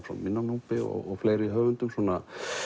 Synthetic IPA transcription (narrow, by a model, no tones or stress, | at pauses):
sɔ̰mːɪnːanuːpɪɔ̰ɣɔɣfleːjɾɪɦœːvʏnt̪ʏmsɔna